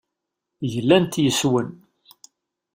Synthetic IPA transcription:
jəlːænt̪jəswən

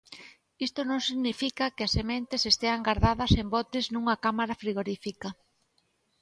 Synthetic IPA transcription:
ist̪onõŋsiɣnifikɐkɪɐsemẽnt̪ɪsest̪eaŋɡaɾðaðɐsembɔt̪ɪznũŋɐkamaɾafɾiɣoɾifikɐ

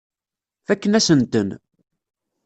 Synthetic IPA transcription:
fækːənæsənt̪ən

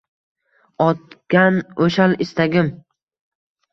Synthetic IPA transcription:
ɒt̪ɡʲanoʃalɪst̪aɡʲɪm

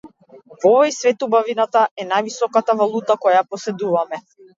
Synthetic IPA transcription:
vɔvɔjsvɛt̪ubavinat̪aʔɛnajvisɔkat̪avalˠut̪akɔjapɔsɛd̪uvamɛ

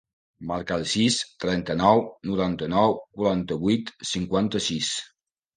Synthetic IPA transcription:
maɾkaːlˠsist̪ɾɛnt̪ənɔwnuɾant̪ənɔwkuɾant̪əβujt̪siŋkwant̪əsis

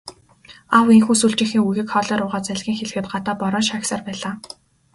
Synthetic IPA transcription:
aweŋxuːsuɬt͡ɕɪ̆xɘ̆ŋuɣʲɘ̆kχɔɮɔːɾʊːʁaːt͡sæɮʲɣʲiːŋxeɮ̆xɘ̆t̪̚ɢat̪aːpɔɾɔːnʃaksaːrpæːɮaː

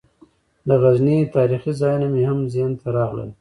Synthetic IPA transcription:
d̪əɣaznit̪ɑːɾiχizɑjunamehamzent̪aɾɑɣlə̰l

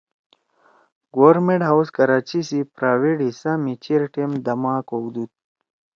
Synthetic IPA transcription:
ɡoɾmeɳʈɦawskɐɾaːt͡ɕisipɾaːweʈɦisamit͡ɕiɾʈemd̪ɐmaːkoɡd̪ut̪̚

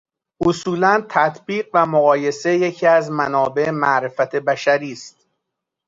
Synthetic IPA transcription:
ʔosuːlænt̪ʰæt̪ʰb̥iːɢvæmoɣɒːje̞se̞jecʰiːæzmænɒːbe̞emæʔɾe̞fæt̪ʰe̞bæʃæɾiːst̪̚

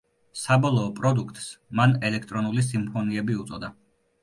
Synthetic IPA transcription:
sabɔlˠɔːpʼɾɔd̪ukʰt̪ʼsmanɛlɛkʰt̪ʼɾɔnulis̬impʰɔniɛbiut̪sʼɔd̪a

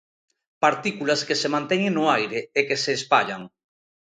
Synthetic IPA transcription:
paɾt̪ikulaskesemãnt̪ɛɲẽŋnoajɾeekeseːspaʎaŋ

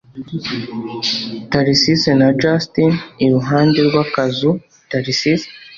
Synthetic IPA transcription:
taɾisisenad͡ʒastiniɾuɦaːndeɾɡwakazu | taɾisis

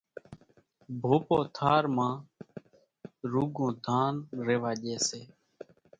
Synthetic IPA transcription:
bʱoːpoːt̪ʰaːɾmãː | ɾuːɡõːd̪ʱaːnɾeːʋaːʄeːseː

